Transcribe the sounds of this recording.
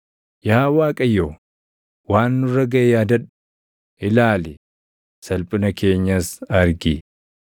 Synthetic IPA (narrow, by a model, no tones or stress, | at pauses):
jaːwaːkʼɐjːoː | waːnːʊrːɐɡɐʔɛjaːd̪ɐᶑʊ̥ | ɪlaːlɪ | sɐlpʼʊnɐke̞ːɲːɐsɐɾɡi